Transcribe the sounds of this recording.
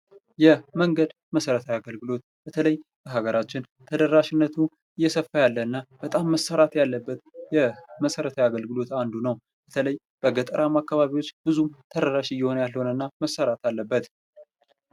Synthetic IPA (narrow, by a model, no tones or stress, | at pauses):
jɛməŋɡəd̪ | məsəɾət̪ʰawjaɡəlɡɨlo̞t̪ | b̥ət̪ʰələjb̥əɦaɡəɾʔat͡ʃːɪn | t̪ʰəd̪əɾaʃɪnːət̪ʰu | ɨjːɛsəfːajalːəɨnːab̥ət̪ʼamːəsːəɾat̪jalːəbːət̪jɛməsəɾət̪ʰajaɡəlɡɨlo̞t̪and̪unəw | b̥ət̪ʰələj | b̥əɡət̪ʼəɾʔamakːaβaβiwo̞t͡ʃːb̥ɨzumt̪ʰəd̪əɾaʃɨjːɛho̞nəjalːəho̞nənːaməsəɾat̪alːəbːət̪